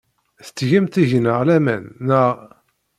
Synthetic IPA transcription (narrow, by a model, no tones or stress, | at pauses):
θə̥t͡sːʝəmt̪iʝnəʁlæmænːəʁ